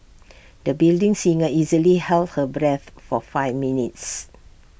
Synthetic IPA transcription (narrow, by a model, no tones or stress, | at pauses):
dəbildɪ̃ŋsĩŋəizəlihɛlt̚həbɹɛθfɔfaɪvminits